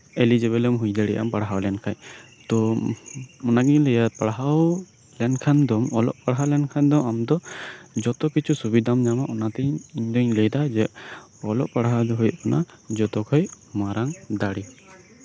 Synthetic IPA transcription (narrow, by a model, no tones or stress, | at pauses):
elid͡ʒɛβɛlɛmɦujd̪aɽɛʔa̰mpaɽɦawlɛnkʰaj | t̪ɔ | ɔnaɡiɲlɛjat̪̚paɽaɦaw | lɛnkʰand̪ɔmɔlɔ̰ʔpaɽɦalɛnkʰand̪ɔamd̪ɔd͡ʒɔt̪ɔkit͡ʃʰusubid̪ʱamɲamaʔɔnat̪ɛɲiɲd̪ɔɲləjd̪ad͡ʒɛ | ɔlɔʔpaɽaɦawd̪ɔɦujɔʔkɔna | d͡ʒɔt̪ɔkʰɔj | maɾaŋd̪aɽi